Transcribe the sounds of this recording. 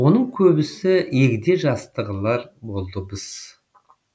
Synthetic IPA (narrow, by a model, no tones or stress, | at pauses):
wo̞nəɴkʲʰɵbɪsɪekʲɪd̪e̞ʒɑst̪əʁəlˠɑɾbo̞lˠd̪əbəz̥